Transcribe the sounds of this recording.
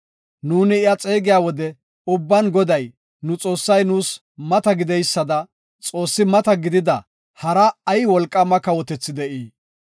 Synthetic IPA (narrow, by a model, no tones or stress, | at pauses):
nuːnɪːjat͡sʼeːɡɪjaːwɔd̪ɛ | ʊbːɐnɡɔd̪ɐj | nʊt͡sʼo̞ːsːɐjnuːs | mɐt̪ɐɡɪd̪ɛjsːɐd̪ɐ | t͡sʼo̞ːsːɪmɐt̪ɐɡɪd̪ɪd̪ɐ | hɐɾɐːjwɔlkʼːɐmɐkɐwɔt̪ɛt͡sːɪd̪ɛʔiː